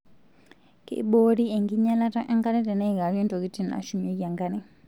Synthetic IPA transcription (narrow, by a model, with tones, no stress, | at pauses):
kḛ˨˦ɓo˦ɾi˦ɛ˨ŋɡi˦ɲa˦la˦ta˦ʔa˦ŋɡa˦nɛ˦tɛ˨nɛ˦ɣa˨ɾiɔ˦nto˨ki˦ti˦na̰˨ʃu˦me˦ka˨ŋɡa˦nɛ˦